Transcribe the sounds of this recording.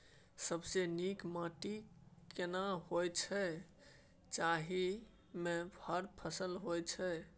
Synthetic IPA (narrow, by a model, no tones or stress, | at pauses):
səbsenikmaʈikenaɦojt͡ʃʰɛ | t͡ʃaɦi | mebʱəɾpʰəsəlɦojt͡ʃʰɛ